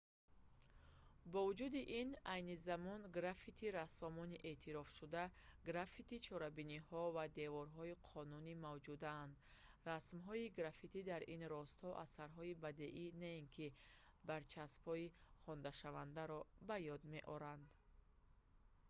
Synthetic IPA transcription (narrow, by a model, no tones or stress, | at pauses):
bɔvud͡ʒud̪iʔinajnizamɔnɡɾafit̪ʰiɾasɔmɔniʔe̞t̪ʰiɾɔfʃud̪aɡɾafit̪it͡ʃʰɔɾabinihɔvad̪e̞vɔɾɦɔiqʰɔnunimavd͡ʒud̪aːnd̪ | rasmɦɔiɡɾafit̪ʰid̪aɾinɾɔst̪hɔʔasaɾɦɔibad̪eʔinainkʰi | baɾt͡ʃʰasphɔiχɔnd̪aʃavand̪aɾɔbajɔd̪me̞ʔɔɾand̪